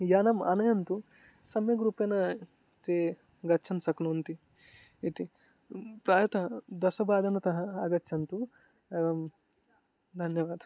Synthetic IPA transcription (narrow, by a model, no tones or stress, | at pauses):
jaːnɐmɐ̰nɐjɐnt̪u | sɐmjɐɡɾuːpɐnɐ | t̪e | ɡɐtːt͡ʃʰɐnsɐknoːnt̪i | it̪i | pɾaːjɐt̪ɐd̪ɐsɐbaːd̪ɐnɐt̪ɐɦɐɐɡɐtːt͡ʃʰɐnt̪u | eːʋɐm | d̪ʱɐnjɐʋaːd̪ʱɐ